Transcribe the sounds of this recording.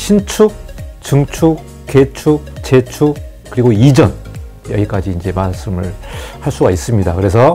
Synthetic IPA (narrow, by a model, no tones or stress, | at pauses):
ɕʰint͡ɕʰut͡ɕɯŋt͡ɕʰu | ke̞t͡ɕʰut͡ɕe̞t͡ɕʰu | kɯɾiɡoid͡ʑʌn | jʌɡik͈ad͡ʑiːnd͡ʑe̞mas͈ɯmɯɭhaɭs͈uɡais͈ɯmɲidakɯɾe̞sʰʌ